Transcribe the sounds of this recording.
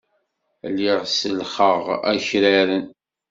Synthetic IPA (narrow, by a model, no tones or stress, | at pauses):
lːiʁsəlχəʁæ̰çɾæɾən